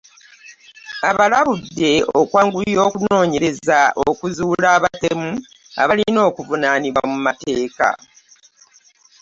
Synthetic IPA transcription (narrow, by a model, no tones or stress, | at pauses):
aβalaβudːe̞okwaːŋɡuljo̞ːkuno̞ːɲe̞ɾe̞zaʔokuzuːlaːβatemu | a̰βalino̞ːkuvunaːniwamumate̞ːka̰